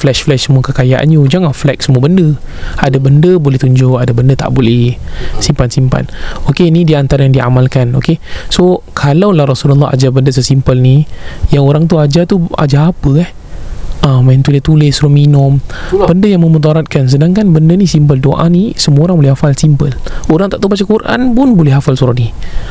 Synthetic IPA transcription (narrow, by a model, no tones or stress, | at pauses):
flɛʃflɛʃsəmuəkəkajaʔa̰njud͡ʒaŋanflɛk̚səmuəbəndəadabəndəbolɛht̪uɲd͡ʒʊʔadabəndət̪a̰ʔbolɛsimpansimpa̰nokenidiant̪aɾajaŋdia̰malkano̰kesokʰalawlahɾɔsulalːɔa̰d͡ʒabəndəs̬əsimpəlnijaŋoɾaŋt̪uad͡ʒat̪ua̰d͡ʒaːpəɛh | ʔəmant̪ulet̪ulɪsɾuminʊ̃mbəndəjaŋməmud̪ɔɾat̪̚kans̬ədaŋkanbəndənisimp̬əldoʔa̰nisəmuoɾaŋbolɛhɦafalsimpəloɾaŋt̪aʔt̪abat͡ʃakurʔa̰npʊnbolɛɦafalsuɾat̪ni